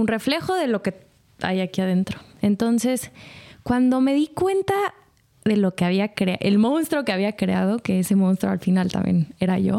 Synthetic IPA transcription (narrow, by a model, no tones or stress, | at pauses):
unre̞fle̞xo̞ðe̞lo̞ke̞ | a̰jakiaðe̞nt̪ɾo̞̥e̞nt̪o̞nse̞skwand̪o̞me̞ðikwe̞nt̪a | ðe̞lo̞ke̞aβiakɾea̰ʔelmõ̞nst̪ɾo̞ke̞aβ̞iakɾe̞að̞o̞ke̞ese̞mõ̞nst̪ɾoa̰lfinalt̪a̰mbje̞̰ne̞ɾaʝo̞̰